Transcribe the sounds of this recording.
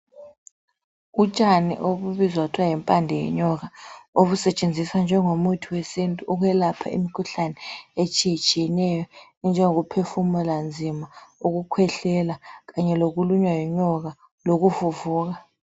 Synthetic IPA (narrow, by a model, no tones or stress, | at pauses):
ut͡ʃʼanḭʔoɓuβizwak̬utʰuwajimpʼandʱɛjɛ̰ɲɔk̬aoβusɛt͡ʃʼend͡zʱiswand͡ʒʱɛŋomutʰiwesintʼuʔuk̬wɛlapʰa̰ḭmikʰuɬanɛet͡ʃʼijit͡ʃʼijɛnɛjɔ | nd͡ʒʱɛŋok̬upʰefumuland͡zʱimauk̬ukʰwɛɬɛlak̬aɲɛlok̬uluɲwajiɲɔɣ̬a | lok̬ufuvuːk̬a